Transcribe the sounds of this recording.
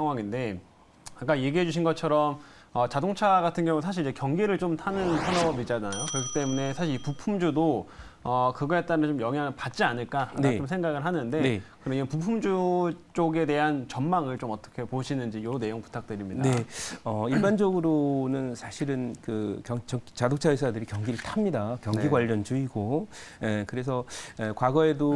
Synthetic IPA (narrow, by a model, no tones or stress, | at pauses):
sʰaŋɦwaŋinde̞ | ak͈aje̞ɡiɦe̞d͡ʑuɕʰinɡʌt͡ɕʰʌɾʌm | ʌt͡ɕadoŋt͡ɕʰaɡatʰɯnɡjʌŋusʰaɕ̬ʰiɭid͡ʑekjʌŋɡiɾɯɭt͡ɕomtʰanɯnpʰjʌnʌɡʌmid͡ʑanaajokɯɾʌkʰi̥t͈e̞mune̞sʰaɕʰiipupʰumd͡ʑudo | ʌkɯɡʌet͈anɯnt͡ɕomjʌŋɦaŋɯɭpat̚t͡ɕ͈ianɯɭk͈aa̰naomsʰeŋɡaɡɯɭɦanɯnde̞kɯɾʌnid͡ʑepupʰumd͡ʑut͡ɕ͈oɡe̞de̞ɦant͡ɕʌnmaŋɯɭt͡ɕomʌt͈ʌ̥kʰe̞poɕʰinɯnd͡ʑijone̞joŋpu̥tʰak̚t͈ɯɾimɲidaeʌiɭband͡ʑʌɡɯɾonɯnsʰaɕʰiɾɯnkɯkjʌŋt͡ɕʌt͡ɕadok̚t͡ɕʰaesʰadɯɾikjʌŋɡiɾɯɭtʰamɲidakjʌŋɡiɡwaʎːʌnd͡ʑuiɡoekɯɾe̞sʰʌekwaɡʌe̞do